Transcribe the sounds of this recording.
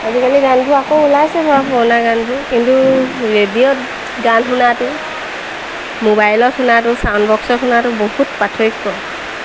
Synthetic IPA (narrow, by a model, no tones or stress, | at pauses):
azikaliɡantʊakoulajsɛbʱapʰɔnaɡantʊkintuɹedijɔt | ɡanɦʊnatʊ | mobajlɔthʊnatʊsawnbɔksɔthʊnatʊbohutpatʰoikːɔ